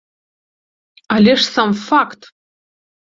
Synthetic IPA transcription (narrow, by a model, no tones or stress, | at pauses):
alʲeʂsamfakt̪